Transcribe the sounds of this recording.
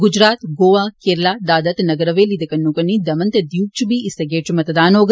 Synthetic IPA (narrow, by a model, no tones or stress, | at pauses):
ɡud͡ʒɾaːt̪ɡoːʋaːkeːɾɐlaːd̪aːd̪ɐt̪nɐɡɐɾɐʋeːlid̪ɐkɐnːuːkɐɳːid̪ɐmɐnt̪ɐd̪juːk̚t͡ʃubiːʔisɐɡeːʈmɐt̪ɐd̪aːnoːɡ